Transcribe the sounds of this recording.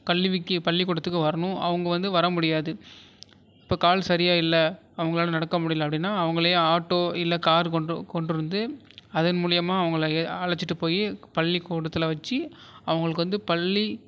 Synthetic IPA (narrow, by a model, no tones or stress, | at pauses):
kɐlːɪʋɪkːɯpɐɭːɪkɔːɽɐt̪ːɯk̬ːɯʋɐɾɐɳʊ̃ʔɐ̰ʋɐŋɡɐʋɐnd̪ɯʋɐɾɐmʊɽɪjaːðɯ | ɪpːoːkaːlsɐɾɪjaːɪlːɐ | ɐʋɐŋɡɐɭaːlɐnɐɽɐkːɐmʊɽɪjːlɐpːɐɽɪnːaːɐʋɐŋɡɐɭɐjʊ̃aːʈːoːɪlːɐkaːɾkkɔɳɖɯɾɯnd̪ɯ | ɐðɐnmuːɻɪjɐmaːɐʋɐŋɡɐɭɐɐɭɐt͡ʃːɪʈːɯpoːjipɐɭːikuːɽɐt̪ːɪlɐʋɐt͡ʃːiɐʋɐŋɡɐɭɯkːɯʋɐnd̪ɯpɐlːi